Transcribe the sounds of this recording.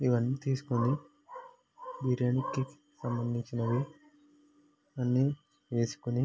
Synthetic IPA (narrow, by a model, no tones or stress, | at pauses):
iʋɐnːiːt̪iːsu̥kuni | bʱiɾeːnikːi | sɐmbɐnd̪ʱiɲt͡ʃinɐʋi | ɐnːi | ʋe̞ːsu̥kuni